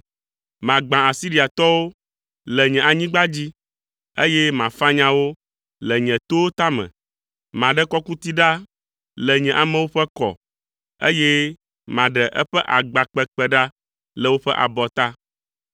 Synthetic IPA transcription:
mã˨ɡ͡bã˨a˨si˦ɾi˨a˨t̪ɔ˦wo˦ | lɛ˨ɲɛ̃˨a˨ɲĩ˦ɡ͡ba˦d͡ʑi˦ | e˦jɛ˦mã˨fa˦ɲã˦wo˦ | lɛ˨ɲɛ̃˨t̪o˦wo˦t̪a˦mɛ̰̃˨ | mã˨ɖɛ˦kɔ˦ku˦t̪i˦ɖa˦ | lɛ˨ɲɛ̃˨ʔa˨mɛ̃˦wo˦ɸɛ˦kɔ̰˨ | ḛ˦jɛ˦ | mã˨ɖɛ˨ʔɛ̰˦ɸɛ˦ʔa˨ɡ͡ba˨k͡pɛ˨k͡pɛ˦ɖa˦ | lɛ˨wo˦ɸɛ˦ʔa̰˨bɔ˨t̪a˦

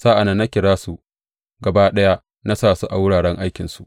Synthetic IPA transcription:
saː˦ʔa˨na˦nːa˦kʲɪ˨ɽaː˦su˨ʔ | ɡɐ˨baː˦ɗɐ˦ja˦ | na˦saː˨su˦ʔa˨wʊ˦ɽaː˨ɽɛ˦ŋʔa˦jkʲɪ˨nsu˨ʔ

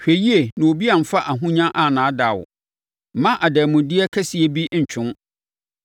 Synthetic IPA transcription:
ɕᶣe˨ji˦e˨nã˨o˨bi˦a˨m̩˨fa˦ʔa˨ɦʊ̃˦ɲã˦ʔa˨nãː˨˦da˨w̰ | mã˦ʔa˨dæ˨mʊ̃˨dɪ˦ɛ˦kʰɛ˦si˨e˦bi˦ɲ̩˨t͡ɕʰʊ̃˦n

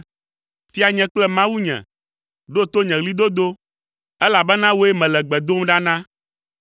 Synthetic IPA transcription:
fi˦a˨ɲɛ̃˨k͡plɛ˦mã˦wu˦ɲɛ̰̃˨ | ɖo˦t̪o˦ɲɛ̃˨ɣli˦d̪o˦d̪o˦ | ɛ˦la˨bɛ˦nã˦wo˦e˦mɛ̃˨lɛ˨ɡ͡bɛ˨d̪o˦m˦ɖa˦nã˦

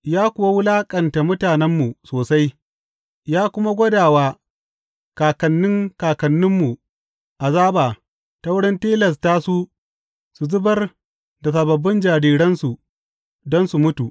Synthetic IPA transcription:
jaː˦kʷʊ˨wa˦wʊ˦laː˦kʼɐ˨nta˨mʊ˦taː˨nɛ˦mːu˨soː˨sa˦j | jaː˦kʷʊ˦ma˦ɡʷɐ˦daː˨waː˦ | kaː˨kɐ˨nːɪ˦ŋkaː˨kɐ˨nːɪ˦mːu˨ | ʔa˨zaː˦baː˨ | ta˦wʊ˦ɽɪ˦nteː˦lɐ˨s̬taː˦su˦ | su˨zʊ˦bɐ˦r | da˨s̬ɐ˨bɐ˨bːɪ˦nd͡ʒaː˨ɽiː˨ɽɐ˦nsu˨ | dɔ˦nsu˨mʊ˦tu˨ʔ

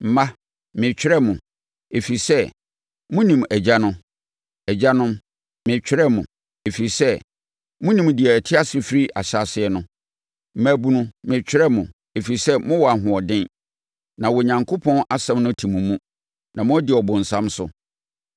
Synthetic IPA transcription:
m̩˨mã˦ | mɪ̃˨t͡ɕᶣɪ˦ɾɛ˦mʊ̃˨ | e˨fi˨i˨sɛ˦ | mʊ̃˦nĩ˨m˨æ˨d͡ʑa˦nʊ̃˦ | ɛ˨d͡ʑa˦nʊ̃˦m | mɪ̃˨t͡ɕᶣʰɾɛ˦mʊ̃˨ | e˨fi˨i˨sɛ˦ | mʊ̃˦nĩ˨m˨dɪ˨ɛ˨æ˨tʰɪ˦a˦sɪ˨fi˦ɾi˦ʔa̰˨ɕa˨sɪ˨˦ɛ˨˦nʊ̃˦ | m̩˦mæ˨bu˨nũ˦mɪ̃˨t͡ɕᶣɪ˦ɾɛ˦mʊ̃˨ | e˨fi˨i˨sɛ˦mʊ̃˦wɔ˨a˨ɦʊ̃˨ɔ˨dɪ̃˦n | nã˨wɔ˨ɲã˨ŋkʰo˦pʰɔ̃˦na˦sɛ̃˦mnʊ̃˦tʰi˨mũ˨mũ˦ | nã˨mʊ̃˦ɔ˦dɪ˨ɔ˨bʊ̃˨n̩˨sã˦msʊ˦

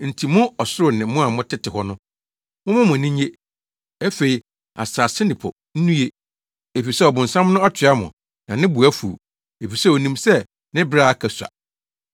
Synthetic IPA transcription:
n̩˨tʰi˨mʊ̃˦ɔ˨sʊ˦ɾʊ˨nɪ̃˨˦mʊ̃˦a˨mʊ̃˦tʰɪ˦tʰɪ˨ɦɔ˦nʊ̃˦ | mʊ̃˦mʊ̃˦mʊ̃˨nĩ˦ɲe˦ | æ˦fe˨i˨ | a̰˨saː˨sɪ˦nɪ̃˨pʰɔ̰˨ | n̩˦nũ˦je˦ | e˨fi˨sɛ˦ɔ˨bʊ̃˨n̩˨sã˦mnʊ̃˦a˦t͡ɕʰɪ˨a˦mʊ̰̃˨ | nã˨nɪ̃˦bu˨æ˦fṵ˨ | e˨fi˨sɛ˦o˨nĩ˨msɛ˦ | nɪ̃˦bɾaː˦a˦˨kʰæ˨sa̰˨

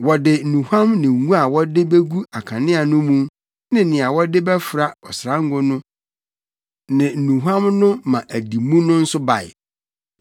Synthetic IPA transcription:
wɔ˨dɪ˨n̩˨nũ˨hã˦mnɪ̃˨ŋũ˦a˨wɔ˦dɪ˦be˦ɡu˦a˨kʰã˨nɪ̃˦a˨nʊ̃˦mũ˦m | nɪ̃˦nɪ̃˨a˨wɔ˦dɪ˦bɛ˦fɾa˦ɔ˨sɾã˦ŋ˦ɡʊ˦nʊ̃˦ | nɪ̃˨n̩˨nũ˨ɦã˦mnʊ̃˦mã˨ʔæ˨di˨mũ˦nʊ̃˦n̩˦sʊ˦ba˨ɪ̰˨

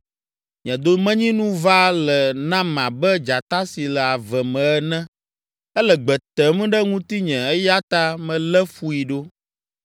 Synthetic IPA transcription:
ɲɛ̃˨d̪o˦mɛ̃˦ɲĩ˦nũ˦va˦lɛ˨nã˦mã˨bɛ˦d͡ʒa˨t̪a˦si˨lɛ˨a˨vɛ˨mɛ̃˨ɛ˦nɛ̃˦ | ɛ˦lɛ˨ɡ͡bɛ˨t̪ɛ˨m̃˦ɖɛ˦ŋũ˦t̪i˦ɲɛ̃˨ɛ˦ja˦t̪a˦mɛ̃˨lɛ˦fu˨i˨ɖo˦

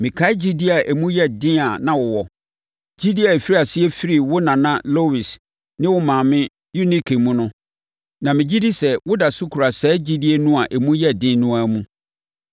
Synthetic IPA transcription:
mɪ̃˨kʰa˦ɪ˦d͡ʑi˦di˦a˨ʔæ˨mũ˦jɛ˦dɪ̃˦a˨nã˨wʊ˨wɔ˨ | d͡ʑi˦di˦a˨e˨fi˦ɾi˦a˨sɪ˦ɛ˦fi˦ɾi˨wʊ˦nã˨nã˦lo˦wi˨s | nɪ̃˦wʊ˦mãː˨mɪ̃˦ | ju˦ni˦kʰe˨mũ˦nʊ̃˦ | nã˨mɪ̃˨d͡ʑi˦di˦sɛ˨wʊ˦da˨su˦kʰu˨ɾa˨sɛː˦d͡ʑi˦di˦e˦nũ˦a˨ʔe˨mũ˦jɛ˦dɪ̃˦nũ˦a˨mũ˦

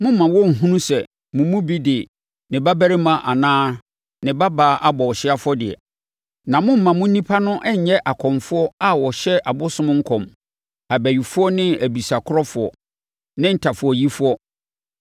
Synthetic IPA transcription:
mʊ̃˦m̩˦mã˨wɔ˦˨ŋ̩˨ɦũ˦nũ˦sɛ˨ | mʊ̃˨mũ˦bi˦dɪ˨ | nɪ̃˨ba˦bæ˦ɾɪ˦mã˨ʔa˨nãː˦ | nɪ̃˨ba˦baː˨˦ʔa˦bɔ˨ɔ˨ɕɪ˦a˦fʊ˦ɔ˦dɪ˨ɛ̰˨ | nã˨mʊ̃˦m̩˦˨mã˨mʊ̃˦nĩ˦pʰa˦nʊ̃˦ʔɛ˦ɲ̩˨ɲɛ˦ʔa˨kʰɔ̃˨mfʊ˦ɔ˦a˦wɔ˨ɕɛ˦ʔa˨bʊ˦sʊ̃˦m̃˦ŋ̩˦kʰɔ̃˨m | a˨bæ˨ɥi˨fʊ˦ɔ˦nɪ̃˦æ˨bi˨sa˨kʰʊ˦ɔ˦fʊ˨ɔ̰˨ | nɪ̃˦n̩˦˨tʰa˨fʊ˨ɔ˨ji˦fʊ˦ɔ˦

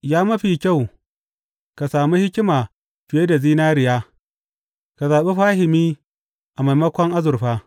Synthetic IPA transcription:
jaː˦mɐ˦ɸiː˨kʲa˦˨w | ka˨saː˨mi˦hɪ˦kʲɪ˦maː˨ | ɸɪ˨je˦da˨ziː˦naː˦ɾɪ˨jaː˦ | ka˨zaː˨ɓe˦ɸaː˦ɦɪ˨miː˦ | ʔa˨ma˨jmɐ˦kʷɔ˦ŋʔa˦zʊ˨rɸaː˦

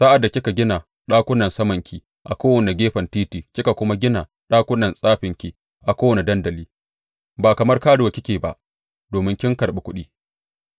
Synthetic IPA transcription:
sa˦ʔa˨dːa˨kʲɪ˦ka˨ɡʲɪ˦na˨ | ɗaː˦kʷʊ˦nɐ˨nsɐ˦mɐ˨ŋkʲʰiː˨ | ʔa̰˨kʷoː˦wɐ˨ne˨ɡʲeː˦ɸɐ˨ntiː˦tiː˨kʲɪ˦ka˨kʷʊ˦ma˦ɡʲɪ˦na˨ | ɗaː˦kʷʊ˦nɐ˨nsʼaː˦ɸɪ˨ŋkʲi˨ | ʔa˨kʷoː˦wɐ˨ne˨dɐ˦ndɐ˨liː˦ | baː˨kɐ˨mɐ˦rkaː˦ɽʊ˨wa˨kʲɪ˦kʲeː˨ba̰˨ʔ | doː˨mɪ˦ŋkʲɪ˦ŋkɐ˨rɓe˨kʷʊ˦ɗiː˦

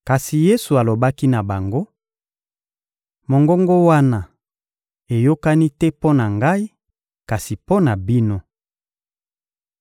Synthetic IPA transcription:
ka˨si˨je˦su˨a˨lo˨ba˦ki˦na˨ba˨ŋɡo˦ | mo˨ŋɡo˦ŋɡo˦wa˦na˨ | e˨jo˦ka˦ni˦tɛ˦po˦na˨ŋɡa˦i˦ | ka˨si˨po˦na˨bi˦no˦

